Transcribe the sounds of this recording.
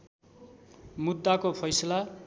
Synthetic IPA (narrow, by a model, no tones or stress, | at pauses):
mud̪ːakopʰʌjsʌla